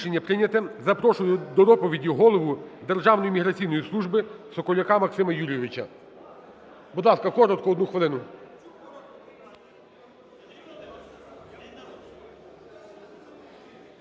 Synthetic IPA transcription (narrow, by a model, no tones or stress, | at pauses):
ʃenʲːɐpɾɪnʲɐt̪ɪzɐpɾɔʃʊjʊd̪ɔd̪ɔpɔʋʲidʲiɦɔlˠɔʋʊd̪erʒɑwnɔjimʲiɦɾɐt͡sʲijnɔjislˠuʒbɪsɔkɔlʲɐkamɐksɪmɐjuɾʲijeʋɪt͡ʃɐ̰ | bud̪lˠɑskɐkɔɾɔt̪̚kɔɔd̪nuxʋɪlˠɪnʊ